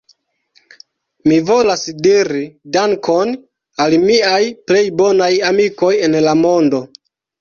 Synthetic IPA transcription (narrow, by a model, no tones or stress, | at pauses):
mivo̞lasdiɾidaŋkʰo̞n | almiajple̞jbo̞najamiko̞je̞nlamo̞ndo̞